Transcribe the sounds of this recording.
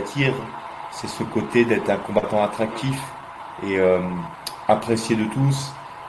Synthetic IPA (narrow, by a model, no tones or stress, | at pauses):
t̪ʰiʁ | sɛsəkot̪ed̪ɛt̪χɛ̃kɔ̃bat̪ɑ̃at̪χak̚t̪if | eøm | apχesjed̪ət̪us